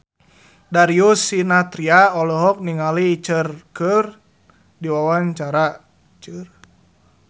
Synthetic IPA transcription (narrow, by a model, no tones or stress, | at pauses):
daɾiusinat̪ɾiaɔlɔɦɔk̚niŋaliːt͡ʃərkər | diwawaɲt͡ʃaɾa | t͡ʃər